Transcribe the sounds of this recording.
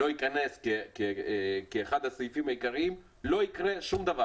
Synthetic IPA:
o̞ikaneskekekeːχad̪hasojifimhajikaʁiim | lo̞ikʁe̞ʃumd̪ava

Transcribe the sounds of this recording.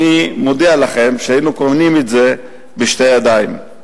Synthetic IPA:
imod̪ialaχe̞mʃeajinukovnimetze̞ | beʃtejad̪ajm

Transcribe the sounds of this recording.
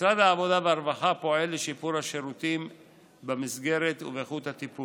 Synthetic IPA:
isʁad̪haːvo̞d̪aveaɾvaχapo̞e̞lːeʃipuɾhaʃeɾut̪im | bemisɡe̞ɾet̪uveχut̪hat̪ipul

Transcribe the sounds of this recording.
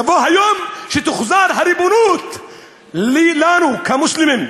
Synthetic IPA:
avoɦajomʃet̪uχzaɾɦaɾibonut̪ | lilanukamuʃlimim

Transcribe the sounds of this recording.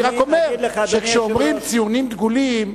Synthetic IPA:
ʁakomeʁʃekʃeomʁimt͡sijunimd̪ɡulim

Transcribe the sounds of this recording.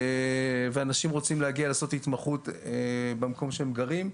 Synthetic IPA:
eveanaʃimʁo̞t͡simlehaɡialaːso̞t̪hit̪maχut̪ebemako̞mʃeemɡaʁim

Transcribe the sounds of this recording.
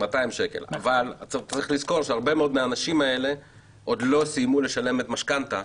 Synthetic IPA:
mat̪aimʃe̞ke̞̰la̰valatʁiχlizko̞ʁʃeaʁbe̞meo̞d̪meaːnaʃimae̞le̞ | ʔo̞d̪lo̞sijmule̞ʃale̞met̪maʃkant̪a

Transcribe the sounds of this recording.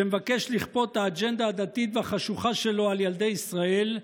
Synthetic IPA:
emevake̞ʃliχpo̞t̪haːd͡ʒe̞nd̪aːd̪at̪it̪veaχaʃuχaʃe̞lo̞aljald̪e̞jisʁae̞l

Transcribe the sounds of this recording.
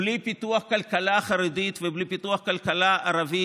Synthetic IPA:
lipit̪uaχkalkalaχaʁed̪it̪veblipit̪uaχkalkalaaʁavi

